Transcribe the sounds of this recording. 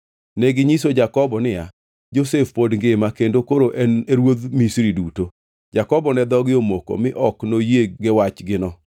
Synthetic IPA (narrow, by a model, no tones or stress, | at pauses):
nɛɡɪɲisod͡ʒakɔbɔnɪja̰ | d͡ʒosefpodŋɡemakendokoɾoʔɛneɾwod̪misɾiduto | d͡ʒakɔbɔnɛd̪ɔɡɪomoko̰mɪʔɔknojeɡɪwat͡ʃɡɪnɔ